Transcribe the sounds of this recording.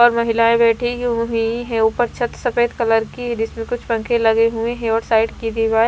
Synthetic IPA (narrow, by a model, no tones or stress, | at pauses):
ɔːɾmɐɦɪlaẽbɛːʈʰiɦɦiɦɛ̃upəɾt͡ʃʰɐt̪sɐfeːd̪kɐləɾkiɦɛ̃d͡ʒɪsmẽkʊt͡ʃʰpɐ̃ŋkʰẽlɐɡeɦuẽɦɛ̃ɔːɾsaːɪʈkid̪ibaː